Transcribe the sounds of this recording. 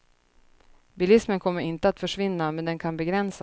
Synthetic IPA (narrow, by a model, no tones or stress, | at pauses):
bɪlɪsmənkʰɔmːəɾɪnt̪əat̪fœʂvɪnːamɛnd̪ɛnkʰanbɛɡɾɛns